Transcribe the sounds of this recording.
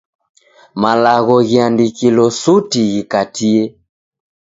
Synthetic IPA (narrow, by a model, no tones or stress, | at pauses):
malaɣɔɣiandikilɔsutiɣikatʰiɛ